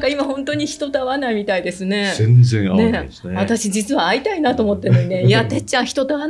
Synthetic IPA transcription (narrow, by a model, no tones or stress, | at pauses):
kaimahõ̞nt̪o̞ɲ̟içi̥t̪o̞t̪aβanaimʲit̪aid̪e̞sɨne̞zenzẽne̞sβat̪aɕid͡ʑit͡sɨβaːit̪ainat̪o̞ːmo̞t̪ːenoineat̪et͡ɕãɰ̃çi̥t̪o̞d̪aβan